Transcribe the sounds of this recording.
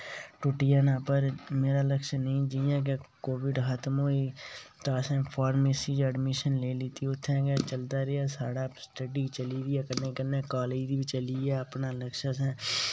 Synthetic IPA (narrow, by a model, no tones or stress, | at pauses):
ʈʊʈɪjanãːpəɾmeːɾaːləkʃnəĩːd͡ʒiãːk̬ekoːʋɪɖɦət̪mɦoːiːt̪aːsɛ̃ːpʰaːɾmeːsiːd͡ʒəɖmɪʃənleːlɪt̪iʊt̪ʰːɛ̃ːket͡ʃəld̪aːɾeaːsaːɽaːsʈəɖiːt͡ʃəliːdiaːkəɾnẽːkəɾnɛːkaːleːd͡ʒd̪iːbit͡ʃəliːɛːəpnaːləkʃasɛ̃ː